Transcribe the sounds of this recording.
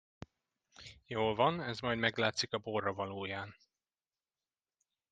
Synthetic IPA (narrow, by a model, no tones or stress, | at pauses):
joːlvɒnɛzmɒjd̪mɛɡlaːt̪sikɒboːrːɒvɒloːjaːn